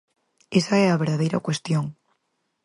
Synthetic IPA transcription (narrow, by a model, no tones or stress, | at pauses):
esaeaβeɾðaðejɾa̰kwe̞st̪joŋ